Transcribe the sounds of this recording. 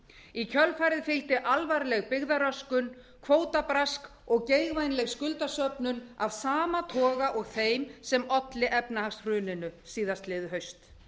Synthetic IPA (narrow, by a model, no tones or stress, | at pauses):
icʰœlfajɾɪðfɪlt̪ɪʔalvaɾlɛɣpɪɣðaɾœskʏn | kʰvoːwt̪apɾask | ɔɣcejɣvajnlɛɣskʏlt̪asœpnʏnavsaːmat̪ʰɔːɣaʔɔɣθejmsɛmɔt̪lɪʔɛpnahaksr̥ʏːnɪnʏsiːðast̪lɪðʏɦœɥst̪